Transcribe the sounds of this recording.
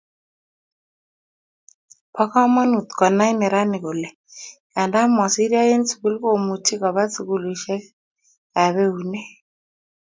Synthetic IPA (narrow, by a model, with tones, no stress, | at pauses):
pʰɔ˦ka˦ma˦nu˨t̪kwa˨na˦i˦nɛ˨ɾa˦ni˨ko˨lɛ˨ | ka˨nda˦mɔ˨si˦ɾja˦je˦nt͡su̥˨ku˦lko˦˨mu˨tʰi˦ka˨βa˦t͡su˨ku˦lu˨ʃɛ˦ | ka˨βe˦u˨nɛ˦